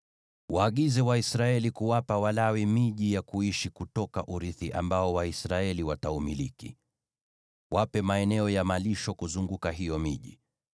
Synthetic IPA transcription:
wʔaːɠizɛwaisɾaɛlikuwapawalawimiʄijakuiʃikutɔkaʔuɾiθiʔa̰mbaɔwaisɾaɛliwataumilikḭ | wapɛmaɛnɛɔjamaliʃɔkuzuŋɡukaɦijɔmiʄḭ

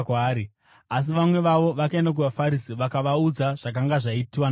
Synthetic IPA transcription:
kaːɾi | as̬iʋamwe̞ʋaʋo̞ʋakae̞ndak̬uʋafaɾisiʋakaʋaud͡zaʐ̥ak̬aŋɡaʐaitiwan

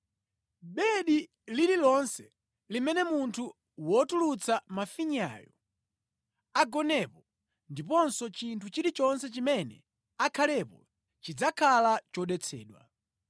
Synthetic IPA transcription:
ɓɛɗi | lililɔnsɛ | limɛnɛmuntʰu | wɔtulut͡sʰamafiɲa̰jɔ | aɡɔnɛpɔ | ndipɔnsɔt͡ʃintʰut͡ʃiɾit͡ʃɔnsɛt͡ʃimɛnɛ̰ | akʰalɛpɔ | t͡ʃid͡zakʰalat͡ʃɔɗɛt͡sʰɛ̰ːɗwa̰

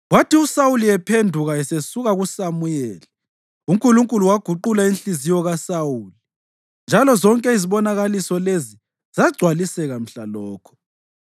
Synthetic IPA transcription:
ɣwatʰiusawulijɛpʰendʱuɣaɛsesuɣaɣusamujɛːli | uŋkʼuluŋkʼuluwaɡ̥ʱuǃulainɬizijɔɣasawuːli | nd͡ʒʱalɔzɔŋkʼɛiziβɔnaɣalisɔlezi | zaɡ͡ǀʱwalisɛɣam̩ɬalɔːkʰɔ̥

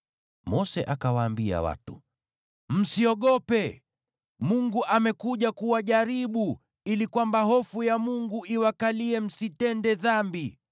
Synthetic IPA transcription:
mɔsɛʔakawaːmbia̰wa̰tṵ | m̩siɔɠɔpɛ | muŋɡuʔamɛkuʄakuwaʄaɾiɓu | ilikwambaɦɔfujamuŋɡuiwakaliɛm̩sitɛndɛðambi

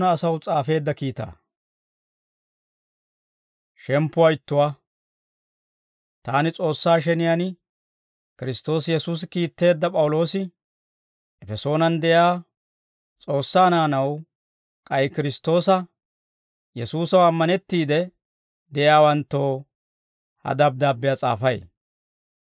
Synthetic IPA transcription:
nɐːsɐwt͡sʼaːfe̞ːd̪ːɐkiːt̪a̰ː | ʃɛmpːʊwajɪt̪ːʊwa | t̪aːnɪt͡sʼo̞ːsːaːʃ̬ɛnɪjan | kɪɾɪst̪o̞ːsjɛsuːs̬ɪkiːt̪ːe̞ːd̪ːɐpʼɐwʊlo̞ːsɪ | ʔɛfɛso̞ːnɐnd̪ɛjaː | t͡sʼo̞ːsːaːnaːnɐw | kʼɐjkɪɾɪst̪ːo̞ːsɐ | jɛsuːsɐwɐmːɐnɛt̪ːiːd̪ɛ | d̪ɛjaːwɐnt̪ːo̞ː | hɐ̰d̪ɐb̚d̪aːbːɪjat͡sʼa̰ːfɐj

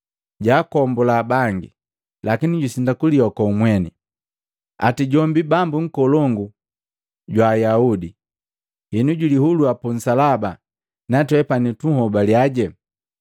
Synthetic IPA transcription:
ɟaːkɔmbɔlaːbaŋɡḭ | lakiniɟusindakuliɔkɔumwɛnɛ̰ | a̰tiɟɔmbibambuŋ̩kɔlɔŋɡu | ɟwaːjaudi | hinuɟulihuluapun̩salaba | natwɛpanituhɔbaljaɟɛ

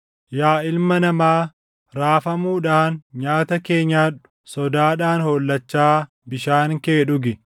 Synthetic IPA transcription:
jaːɪlmɐnɐmaː | ɾaːfɐmuːᶑaːnɲaːt̪ɐke̞ːɲːaːᶑʊ | sɔd̪aːᶑaːnhoːlːɐt͡ʃːaː | bɪʃaːŋkeːᶑʊɡɪ

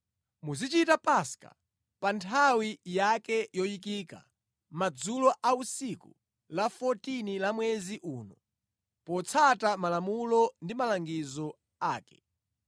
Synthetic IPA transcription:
muzit͡ʃitapaska̰ | pantʰawijakɛjɔjikika̰ | mad͡zulɔʔausikṵ | lafɔtinilamwɛziʔuːnɔ | pɔt͡sʰatamalamulɔndimalaŋɡizɔ | aːkɛ̥

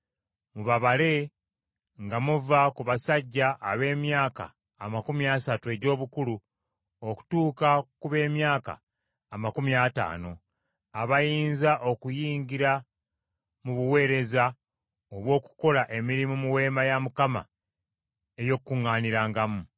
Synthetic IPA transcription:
muβaβale̞ | ŋɡamuvakuβasaɟːaʔːβe̞ːmjaːka̰ː | makumiasatue̞ɟo̞ːβukulu | o̞ku̥tuːkakuβe̞ːmjaːka̰ː | makumiata̰ːno̞ | aβajiːnzaʔo̞kujiːɲɟiɾa | muβuwe̞ːɾe̞za | oβwo̞ːku̥ko̞laʔe̞miɾimumuwe̞ːmajamukama̰ | ejo̞kkːuŋːaːniɾaːŋɡamu

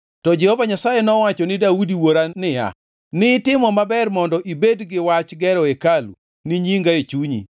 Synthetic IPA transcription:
tɔd͡ʒɛhovaɲasajɛnɔwat͡ʃɔnɪdaudiwoɾanɪja̰ | nɪtɪmɔmabɛrmɔndɔʔibedɡɪwat͡ʃɡɛɾɔekalṵ | nɪɲiŋɡaet͡ʃuɲḭ

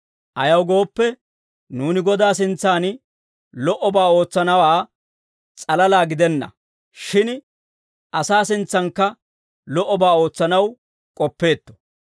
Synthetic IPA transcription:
ʔɐjɐwɡo̞ːpːɛ | nuːnɪɡɔd̪aːs̬ɪnt͡sːaːn | lɔʔɔbaːo̞ːt͡sːɐnɐwaː | t͡sʼɐlɐlaːɡɪd̪ɛnːɐ̰ | ʃɪn | ʔɐsaːsɪnt͡sːɐŋkːɐ | lɔʔːɔbaːo̞ːt͡sːɐnɐw | kʼɔpːe̞ːt̪ːɔ̥

